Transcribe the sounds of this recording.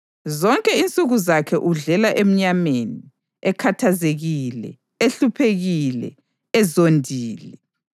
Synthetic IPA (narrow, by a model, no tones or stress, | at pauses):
zɔŋkʼɛint͡sʼuɣuzakʰɛʔuɮɛlaʔem̩ɲameni | ɛkʰatʰazeɣilɛ̰ | eɬupʰeɣilɛ̰ | ɛzondʱiːlɛ